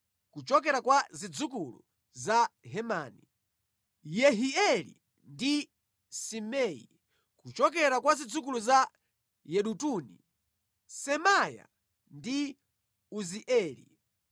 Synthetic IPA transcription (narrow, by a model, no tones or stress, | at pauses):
kut͡ʃɔkɛɾakwazid͡zuk̬ulṵ | zaɦɛmaːni | jɛɦiɛlḭ | ndi | simɛḭ | kut͡ʃɔkɛɾakwazid͡zukuluza | jɛɗutuːnḭ | sɛmaja̰ | ndi | uziʔɛːlḭ